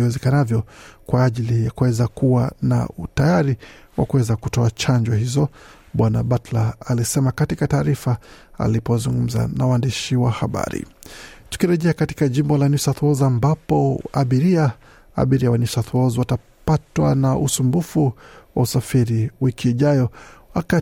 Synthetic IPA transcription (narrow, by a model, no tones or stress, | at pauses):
wɛzɛkanavjɔkwaːʄilijakuwɛzakuwana̰tajaɾiwa̰kuwɛzakutɔat͡ʃaɲd͡ʒɔɦizɔ | ɓwanaɓatlaːlisɛmakatikataːɾifa | a̰lipɔzuŋɡum̩za̰nawaːndiʃiwahaɓa̰ɾḭtu̥kiɾɛʄɛakati̥kaʄimbɔlanisaθuɔzambapɔaɓiɾia | a̰ɓiɾiawanisaθuɔziwata | patwanaʔusumbufuwa̰usafiɾiwikʰiːʄajɔwaka